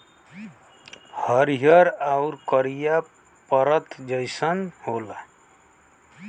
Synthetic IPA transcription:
həɾijəɾaʊɾkəɾija | pəɾət̪d͡ʒəɪsənhola

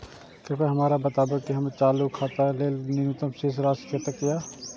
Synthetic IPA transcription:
kɪɾpəɦɐmaːɾabɐt̪aːbəɡkiɦɐmet͡ʃaːlukʰaːt̪aleːlnɪnut̪əmsisɾaːskʰeːt̪əkːijaː

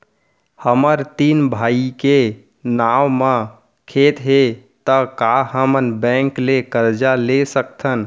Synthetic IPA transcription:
həməɾt̪inbʱaike | nawmə̃ | kʰet̪ɦet̪əkaɦəmənbɛ̃ŋklekəɾd͡ʒalesəkt̪ʰən

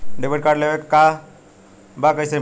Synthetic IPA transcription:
ɖebeʈ̚kaɾɖleʋekːa | bakəjse

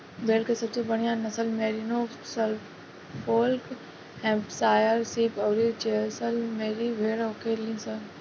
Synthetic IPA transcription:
bʱeːɽkesɐb̚sebɐɽijãnɐsəlmeːɾinoː | sɐl | foːlk | hɛ̃ːpsaːjəɾsiːpɐwɾit͡ʃesəlmeːɾiʋʱeːɽokʰelĩːsə

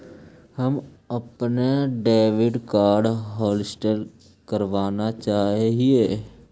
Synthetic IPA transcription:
həm | əpneɖeːʋɪɖkaːɾɖɦɔːlɪsʈəl | kəɾʋaːnat͡ʃaːɦɦieː

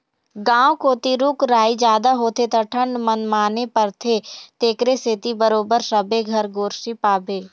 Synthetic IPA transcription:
ɡãːwkoːt̪iɾuːkɾaːid͡ʒjaːd̪aɦoːt̪ʰet̪ɐʈʰə̃ɳɖmənmaːnepəɾt̪ʰet̪eːkɾeset̪ibəɾoːbəɾsəbeɡʱɐɾɡoːɾʃipaːbeː

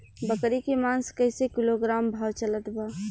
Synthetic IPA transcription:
bəkɾikemanskəɪsekiloɡɾambʱawt͡ʃələt̪ba

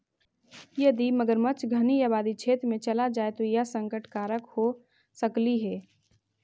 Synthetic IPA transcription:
jɐd̪iməɡəɾmɐt͡ʃʰɡʱəniaːbaːd̪it͡ʃʰeːt̪ɾmẽt͡ʃɐlad͡ʒaːet̪ojasə̃ŋkəʈʰkaːɾəkho | səkliɦɛː

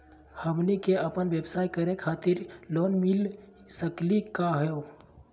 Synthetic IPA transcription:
həmnikeəpənʋjebsaːikəɾekʰat̪ɪɾloːnmil | səklikaɦɛo

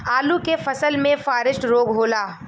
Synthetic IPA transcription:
aːlukefɐsəlmẽfaːɾɪʃʈɾoːɡɦoːlaː

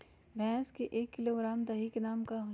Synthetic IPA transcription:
bʱɛ̃ːskeʔeːkːɪloːɡɾaːmd̪ɐɦikenaːmkaɦʊ

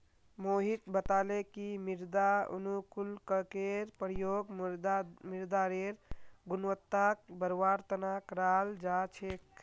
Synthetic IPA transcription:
moɦit̪bət̪alekimiɾd̪aṵnukulkəkeɾpəɾjoɡ̪ | miɾd̪aɾeɾɡunʋət̪ːak̚bəɾwaɾt̪ənakɾald͡ʒat͡ʃʰek

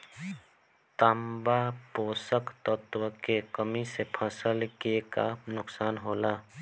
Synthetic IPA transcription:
t̪ambapoːsəkt̪ət̪wəkekəmisepʰə̃səlɡeka̰nʊksaːnɦoːlaː

